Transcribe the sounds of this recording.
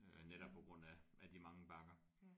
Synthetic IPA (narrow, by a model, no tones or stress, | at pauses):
neɾɒb̥̚pʰɒ̽ɡ̥ʁɔ̽n̰æʔæd̥imɑ̈ŋəb̥ɑ̈ɡ̥ɐ